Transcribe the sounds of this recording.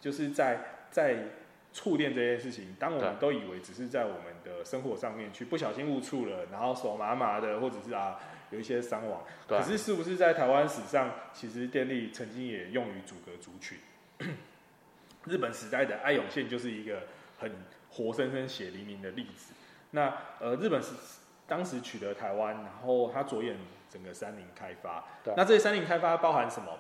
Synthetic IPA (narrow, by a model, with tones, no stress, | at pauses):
t͡ɕjo˥˧ʊʂɻ̩˥˧t͡sa˥˧ɪt͡sa˥˧ɪ | t͡sʰu˥˧t̪jɛ˥˧nt͡sɤ˥˧t͡ɕjɛ˥˧nʂɻ̩˥˩t͡ɕʰi˨˩˦ŋt̪ɑ˥ŋwɔ˨mə˨˦nt̪o˥ʊi˨˩we˧˥ɪt͡sɻ̩˨˩ʂɻ̩˥˧t͡sa˥˩ɪwɔ˨˩mə˨˦nd̪ə˨ʂə˥ŋxwɔ˧˥ʂɑ˥˧ŋmjɛ˥˨nt͡ɕʰy˥˧pu˥˩ɕ̬jɑ˨˩ʊɕi˦ŋu˥˧t͡sʰu˥˩lə˩na˧˥nxo˥˩ʊso˨˩ma˨˥ma˨˦d̪ə˨xwɔ˥˩ʈ͡ʂə˨˩ʂɻ̩˥˩a˨˩ | jo˨˩ʊi˥˩ɕjɛ˦˥sa˥ŋwɑ̰˨˦ŋkə˨˩ʂɻ̩˥˧ʂɻ̩˥˩pu˩ʂ̬ɻ̩˥˧t͡sa˥˩ɪt̪ʰa˧˥ɪwa˦nʂɻ̩˨˩ʂɑ˥˩ŋt͡ɕʰi˧˥ʂɻ̩˧˦t̪jɛ˥˧nli˥˩t͡sʰə˧˦ŋt͡ɕi˦ŋjɛ˨˩jo˥˨˩ŋy˧˥t͡su˨˩ɡə˦t͡su˨˥t͡ɕʰy˨˦n | ɻ̩˥˩pə˨˩nʂɻ̩˧˥t̪a˥˩ɪd̪ə˩ʔa˥˩ɪjɔ˨˩ŋɕjɛ˥˧nt͡ɕjo˥˧ʊʂ̬ɻ̩˥˩i˧˥ɡə˧hə˨˩nxwɔ˧˥sə˦˥nkə˦nɕjɛ˨˩li˨˧˥nmi˧˦ŋd̪ə˨li˥˩d͡zɹ̩˨˩˦ | na˥˩ə˨ɻ̩˥˩pə˨˩nʂ̩˧˥ | t̪ɑ˥ŋʂɻ̩˧˦t͡ɕʰy˨˩t̪ə˨˦t̪ʰa˧ɪwa˦nɻa˧˦nxo˥˩ʊt̪ʰa˥t͡swɔ˧˥jɛ˨˩nt͡sə˨˩ŋɡə˩sa˦˥nli˨˦ŋkʰa˦˥ɪfa̰˦na˥˧t͡sɤ˥˩ə˧˩sa˥nli˧˦ŋkʰa˥ɪfa˦pɑ˥ʊha˧˦nʂə˨˦mə˨